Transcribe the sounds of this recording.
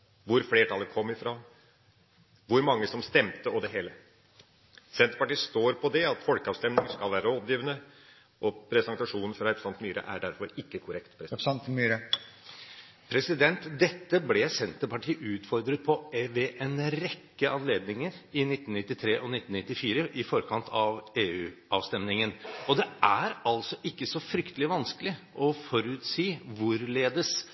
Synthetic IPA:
ʋʊɾfleːʈʰɑlːəɾkʰɔmːɪfɾɑː | ʋʊɾmɑŋːəsɔmst̪ɛmt̪əɔd̪ɛɦeːlə | sɛnt̪əpɑʈiːst̪oːɾpʰɔd̪ɛɑt̪fɔlkəɑːʋst̪ɛmnɪŋəskɑlʋæːɾəɔpjiːʋənə | ʔɔpʰɾɛsɑŋt̪ɑʂuːnn̩fɾɑɛpɾəsɑnt̪myːɾə̰ʔæ̰ɖæɾfɔɾɪkːəkʰʊɾɛkt̪pʰɾ | pʰɾɛsɪd̪ɛnt̪d̪ɛt̪ːəblɛsɛnt̪ːəpɑʈʰiːʔʉːt̪fɔɾd̪ɾət̪̚pʰɔʋɛʔɛnɾɛkːəʔɑnleːd̪nɪŋəɾɪnɪt̪ːnnɪt̪ːɪt̪ʰɾeːʔɔnɪt̪ːn̩nɪt̪ːɪfiːɾəʔɪfɔɾkʰɑnt̪ʰɑʋeːʉːɑ̰ːʋst̪ɛmnɪŋənɔd̪ɛʔæɾɑlsɔʔɪkːəsɔfɾʏkt̪əlɪʋɑnskəlɪʔɔfɔɾʉːt̪siːʋʊɾleːd̪əs

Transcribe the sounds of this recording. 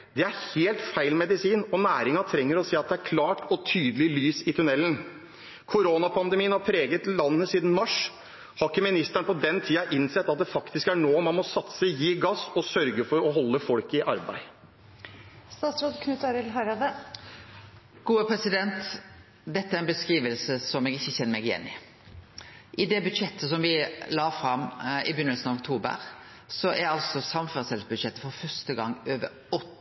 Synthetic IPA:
d̪ɛæɾheːlt̪fæɪlmɛd̪ɪsiːnɔnæːɾɪŋɑt̪ʰɾɛŋːəɾɔseːɑt̪̚d̪ɛæɾkʰlɑːʈʰɔt̪ʰyːd̪əlɪlyːsɪt̪ʰʉnɛlːən | kʰʊɾoːnɑpʰɑnd̪ɛmiːənhɑɾpʰɾeːɡət̪lɑnːəsiːd̪n̩mɑʂ | hɑkːəmɪnɪst̪æɳəpɔd̪ɛnt̪ʰiːɑʔɪnsɛt̪ːɑt̪̚d̪ɛfɑkt̪ɪskæɳoːmɑnmɔsɑt̪səjiːɡɑsɔsœɾɡəfɔɾɔɦɔlːəfɔlkɪʔɑɾbæ̰ɪ | st̪ɑːt̪sɾɑd̪kʰnʉt̪ɑɾɪlɦɑɾɑd̪ə | ɡ̥uːəpʰɾɛsɪd̪ɛnt̪ | d̪ɛt̪ːəæɾɛnbəskʁiːʋəlsəsɔmɛɡɪçːəçɛnːəmɛɪɡɪjɛ̰nːɪ̰ | ʔɪd̪ɛbʉd̪ʂɛt̪ʰːəs̬ɔmʋɪlɑːfɾɑmɪbʏnːəlsnɑʋɔk̚t̪ʰuːbə̰ɾ | sɔʔæɾɑlsɔsɑmføst̪ɛlsbʉd̪ʂɛt̪ːəfɔɾfœɾst̪əɡɑŋːøːʋə̰ɾ | ɔt̪ː

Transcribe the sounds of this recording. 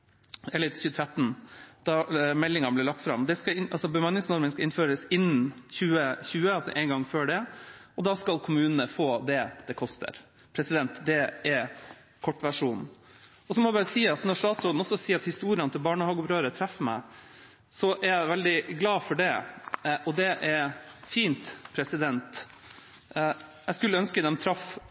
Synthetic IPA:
ɛlɪt̪çʉːət̪ʰɾɛt̪ːnd̪̥ɑmɛlːɪŋɑnblɪɭlɑk̚t̪fɾɑ̰md̪ɛskɑɪɑlsɔbəmɑnːɪŋsnɔɾmənskɑʔɪnføːɾəsɪnːnçʉːəçʉːəɑlsɔ̰ʔɛɪnɡɑŋːføːɖɛʔɔd̪ɑːskɑlkʰʊmʉːnənəfoːd̪ɛd̪̥ɛkʰɔst̪ə̰ɾ | pʰɾɛsɪd̪ɛnt̪d̪ɛɛ | kʰɔʈːʋæʂuːn | ɔsɔmɔæbɑːɾəsiːɑt̪nɔʂt̪ɑːt̪sɾɔd̪n̩ɔsːɔsiːɾɑt̪hɪst̪uːɾɪənt̪ʰɪlbɑːɳəhɑːɡʊbɾøːɾət̪ʰɾɛfːəmæ̰ɪ | sɔʔæɾjæɪʋɛld̪ɪɡlɑːfɔɖɛʔɔd̪ɛʔæɾfiːnt̪pʰɾɛsɪd̪ɛnt̪ | jæɪskʉlːəœnskəd̪ɛmt̪ʰɾɑf

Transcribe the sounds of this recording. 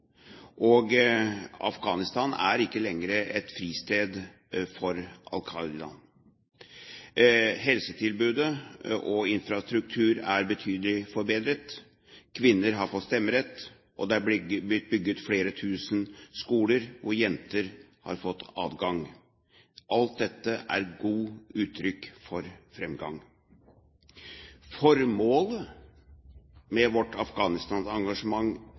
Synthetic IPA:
ʔɔɡ | ɑ̰fɡɑːnɪst̪ɑːnæ̰ɾɪkːəlɛŋɾəʔɛt̪fɾiːst̪eːd̪ | fɔɾʔɑ̰lkʰɑɪlɑ̰n | hɛlsət̪ʰɪlbʉːd̪əʔɔɪnfɾɑst̪ɾʉk̚t̪ʰʉːɾæɾbət̪ʰyːd̪əlɪfɔɾbeːd̪ɾət̪ | kʰʋɪnːəɾɦɑɾfɔt̪ːst̪ɛmːəɾɛt̪ː | ʔɔd̪ɛɑbɪt̪̚bʏɡːət̪fleːɾət̪ʰʉːsənskuːləɾʋʊɾjɛnt̪əɾ | hɑ̰ɾfɔt̪ːɑ̰ːʋɡɑŋ | ʔɑlt̪̚d̪ɛt̪ːəʔæ̰ɾɡuːʉːt̪ʰːɾʏkːfɔɾfɾɛmɡɑ̰ŋ | fɔɾmoːlə | mɛʋɔʈʰɑfɡɑːnɪst̪ɑːnsɑŋɡɑʂəmɑŋː

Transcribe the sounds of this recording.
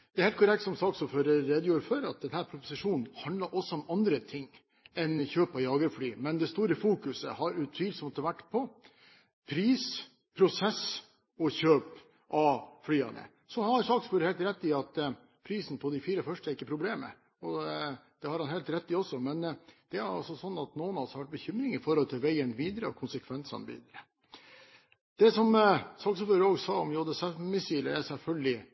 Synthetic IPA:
d̪̥ɛæɾheːlt̪kʰʊɾɛk̚t̪sɔmsɑːksɔfœɾɾeːd̪juːɾfɔɾɑt̪̚d̪ɛnhæːɾpʰɾʊpʊ̥sɪʂuːnn̩hɑnd̪lɑɾʔɔsːɔɔmɑnd̪ɾət̪ʰɪŋː | ɛnçøːpɑjɑːɡəɾflyːmɛnd̪ɛst̪uːɾəfuːkʉsə̰hɑɾʉt̪ʰʋiːlsmɔt̪ːəʋæʈːpʰɔ | pʰɾiːs | pʰɾʊsɛs | ɔçøːp | ʔɑflyːɑ̰nə̰ | sɔhɑɾsɑːksfuːɾəhɛːlt̪ɾɛt̪ːɪɑt̪ | pʰɾiːsn̩pʰɔd̪ɪfiːɾəfœʂʈəɪkːəpʰɾʊbleːmə̰ | ɔd̪̥ɛhɑɾhɑnhɛɪlt̪ɾɛt̪ːɪɔsːɔmɛnd̪̥ɛæɾɑ̰lsɔsɔnːɑt̪noːənɑlsɔʋæʈ̚bəçʏmɾɪŋɪfɔɾɔlt̪ʰɪlʋæɪənʋiːd̪əɾəɔ̰kʰʊnsəkʰʋɛnsɑ̰nʋḭːd̪ɾə | d̪̥ɛsɔmsɑksføɾəoːɡsɑːɔmjoːd̪əsɛmɪsiːləɛɾsɛlfœlɡlɪ

